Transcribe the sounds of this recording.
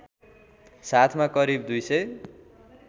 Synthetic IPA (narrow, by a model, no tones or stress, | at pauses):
sat̪ʰmakʌɾib̚d̪ujsʌj